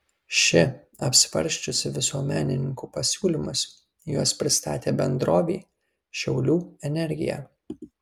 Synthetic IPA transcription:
ʃʲɪ | ɐpʲsʲʋɐ̰ɾʲˑʃʲt͡ʃʲʊsʲɪʋʲɪsuɔmʲæːnʲɪnʲɪŋkupɐsʲuːlʲɪmʊs | juɔspʲɾʲɪst̪ɑːt̪ʲeːbʲɛnd̪ɾoːʋʲiː | ʃʲɛʊlʲuːɛnʲɛɾʲɡʲɪ̰jæ̰ː

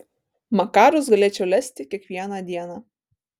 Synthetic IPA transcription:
mɐkɑːɾʊsɡɐlʲeːt͡ʃʲɛʊlʲæsʲt̪ʲɪkʲiɛkʋʲiɛnɑd̪ʲiɛnɑ

